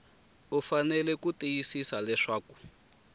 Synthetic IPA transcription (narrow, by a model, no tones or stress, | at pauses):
ufanɛlɛkutijisisalɛʂaːku̥